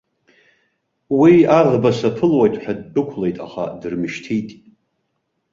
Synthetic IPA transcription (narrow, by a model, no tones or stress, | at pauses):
wiaʁbasapʰɨlwajtʼħᶣadːɨkʷʰle̞jtʼa̰χa̰dɨrmɨʃtʰijtʼ